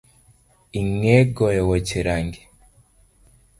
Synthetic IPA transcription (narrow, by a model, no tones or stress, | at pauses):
iŋeɡojowociɾaŋɡe